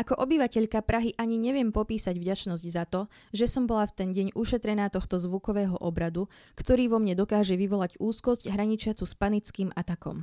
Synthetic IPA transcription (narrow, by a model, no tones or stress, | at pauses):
akɔʔɔbiʋacɛʎkapɾaɦiʔaɲiɲɛʋɪɛmpɔpiːsaɟvɟat͡ʃnɔzɟzat̪ɔ | ʒɛsɔmbɔlaft̪ɛnɟɛɲuʃɛt̪ɾɛnaːt̪ɔxt̪ɔzʋukɔʋɛːɦɔ̰ʔɔbɾad̪ukt̪ɔɾiːʋɔmɲɛd̪ɔkaːʒɛʋiʋɔlaɟuːskɔzɟɦɾaɲit͡ʃɪat͡suspanit͡skiːmat̪akɔ̰m